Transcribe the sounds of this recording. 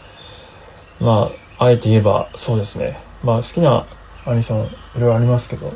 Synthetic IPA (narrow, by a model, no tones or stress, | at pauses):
maː | ae̞t̪e̞ie̞ba̰so̞ːd̪e̞sɨne̞̰ | maːsɨ̥kʲina | aɾʲisõiɾeɾoaɾʲimasɨ̥ke̞d̪o̞̰